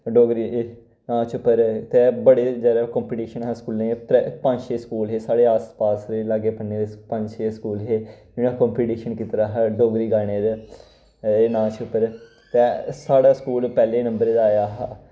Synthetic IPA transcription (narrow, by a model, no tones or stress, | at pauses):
ɖoːɡɾiː | nãːt͡ʃʊpːəɾt̪eːbəɽeːd͡ʒɛːɾaːkɔ̃ːmpiːʈiːʃənɦaːskuːlneːppə̃ɲd͡ʒʃeːskuːlɦeːsaːɽeːaːspaːsɾelaɡeːpənneːd̪epə̃ɲd͡ʒʃeːskuːlɦeː | ɪñãːkɔːmpiːʈiːʃənkɪt̪ɾaːɦɖoːɡɾiːɡaːɽ̃eːd̪ | nãːt͡ʃʊpːəɾ | t̪eːsaːɽaːskuːlpɛːleːnəmbəɾeːd̪aːjaːɦaː